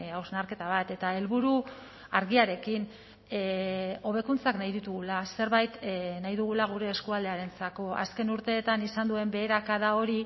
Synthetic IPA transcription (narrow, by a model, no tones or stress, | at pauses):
awznaɾke̞t̪aβ̞at̪e̞t̪ae̞lβuɾu | aɾɣiaɾe̞kin | o̞β̞e̞kunt͡saknajðit̪uɣulase̞ɾβajt̪najðuɣ̞ulaɣ̞uɾe̞ːskuald̪e̞aɾe̞nt͡sako̞ʔa̰ske̞nuɾt̪e̞ːt̪anisand̪ue̞mbe̞ːɾakaðao̞ɾi